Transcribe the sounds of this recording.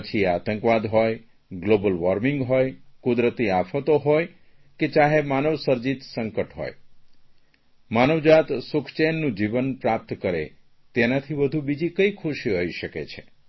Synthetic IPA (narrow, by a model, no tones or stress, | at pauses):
ət͡ʃʰiat̪əŋkʋad̪ɦoj | ɡlobəlʋəɾmiŋɡɦojkud̪ɾət̪iafʰət̪oɦoj | ket͡ʃaɦemanəʋsəɾd͡ʒit̪səŋkəʈɦo̰j | manəʋd͡ʒat̪sʊkʰt͡ʃenːũd͡ʒiʋənpɾap̚t̪kəɾḛ | t̪enat̪ʰibəd̪ʱubid͡ʒikəjkʰuʃiɦoiʃəkḛt͡ʃʰe